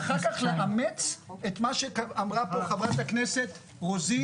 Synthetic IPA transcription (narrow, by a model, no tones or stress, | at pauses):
χaʁkaχleʔamet͡set̪maʃekaamʁapoχavʁat̪akneset̪ | ʁozi